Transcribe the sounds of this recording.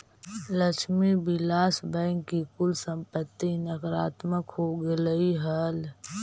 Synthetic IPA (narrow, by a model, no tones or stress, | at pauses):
ləʃmibɪlaːsbɛ̃ːŋkːikʊlsə̃mpət̪ːinəkɾaːt̪məkɦoɡeləiɦəl